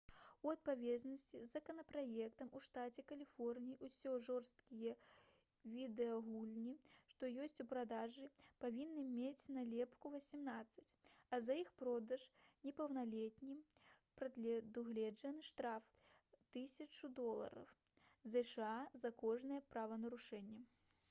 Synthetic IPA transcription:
uɐt̪̚pavʲɛznɐsʲt͡sʲizːɐkɐnɐpɾajɛkt̪ɐmuʂt̪at͡sʲɛkɐlʲifɔrnʲijiusʲɔʐɔrst̪kʲijɛ | vʲid̪ɛɐɣulʲnʲiʂt̪ɔjɔsʲt͡sʲupɾad̪aʐɨpavʲinːɨmʲet͡sʲnɐlʲɛpkuvɐsʲimnat̪sːɐt͡sʲɐzɐixpɾɔd̪ɐʂnʲɛpɐwnalʲɛt̪ʲnʲimpɾɐd̪lʲd̪uɣlʲɛd͡ʐɐnɨʂt̪ɾaf | t̪ɨsʲɐt͡ʂud̪ɔlˠɐ̰ɾɐ̰wzɛʂɨazɐkɔʐnɨjɛpɾavɐnɐɾuʂɛnʲːɛ

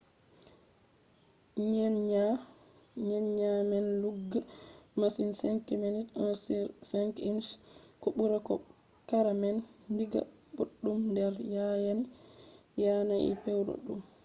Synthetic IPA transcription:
ɲɛnɲa | ɲɛnɲamɛnluɡːamasinsɛŋkɛmɛnitssɛŋkinskɔɓuɾakɔ̰ | kaɾamɛnndiɡa̰boɗːumndɛɾjajan | janaʔɛ̰pɛwɾo̰ɗum

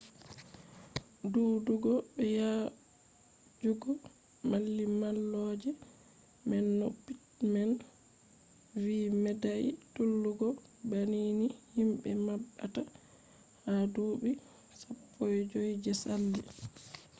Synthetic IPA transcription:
duːduɡɔbɛja | d͡ʒuɡɔ | malːimalːɔːd͡ʒɛ | mɛnːopːitman | viːmɛdajitulːuɡɔ | baninihimbɛmabːata | haduɓi | sapʰːɔjd͡ʒojd͡ʒɛsalːi

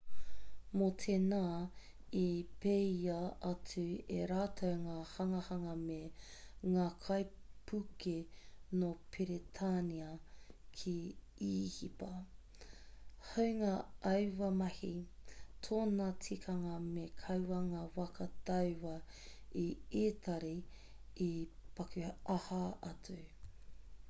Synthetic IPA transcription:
motʰenaː | ipejɐɐt͡sʉḛɾaːtʰɐwŋaːhɐŋɐhɐŋɐmeŋaːkʰɐjpʰukʰenopʰiɾetʰaniɐkʰi | iːhipɐ | hɐwŋaːʔɐwwɐmɐhitʰoːnɐt͡sʰikʰɐŋɐmekʰɐwwɐŋaːwɐkʰɐtɐwwɐ | ieːtʰɐɾi | ipɐkʉɐhɐɐt͡sʉ

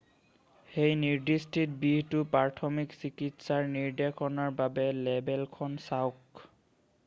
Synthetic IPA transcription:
xejniɹdistʰit̚biɦtʊpaɹtʰɔmiksikitsaɹniɹdɛkʰɔnaɹbabɛlɛbɛlkʰɔnsawk

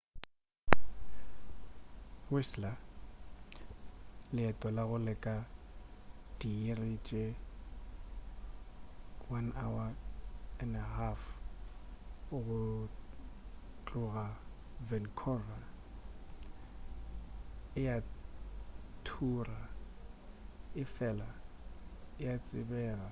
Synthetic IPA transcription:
wesla | lɪatʼɔlaɣʊlɪkʼa | d̥iirɪt͡ʃʼe | wanawa | ɛnɛɦaf | ʊɣʊ | t͡ɬʼʊɣa | vɛnkʰɔra | ɪja | tʰura | ɪfɛla | ɪjat͡sʼɪbɛːɣa

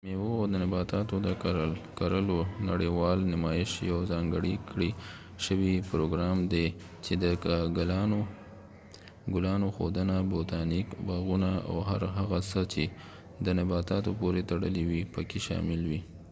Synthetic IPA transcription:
mewoawd̪ənɪbɑt̪ɑt̪od̪əkaɾəlkaɾəlonaɽewɑlnɪmɑjɪʃjawzɑŋɡəɽikɽi | ʃəwipɾoɡɾɑmd̪e | t͡ʃed̪əɡlo | ɡʊlɑnoxo̰d̪ənabot̪ɑnikbɑɣunaa̰wɦaɾɦaɣasət͡ʃe | d̪ənɪbɑt̪ɑt̪opoɾet̪aɽə̰liwipəkeʃɑ̰mɪlwi

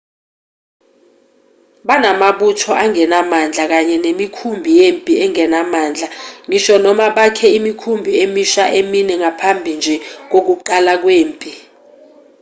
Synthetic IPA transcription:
ɓanamaɓutʰɔʔaŋɛnamand͡ɮʱak̬aɲɛnemikʰumbʱijempʼiɛŋɛnamaːnd͡ɮʱaŋiʃɔnɔmaɓakʰɛimikʰumbʱiemiʃaʔeminɛŋapʰambʱind͡ʒʱɛk̬ok̬uǃalak̬weːmpʼi

